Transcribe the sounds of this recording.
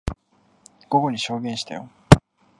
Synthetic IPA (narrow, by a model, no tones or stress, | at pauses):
ɡ̥o̞ɡo̞ɲ̟iɕo̞ːɡẽ̞ɰ̃ɕi̥t̪a̰jo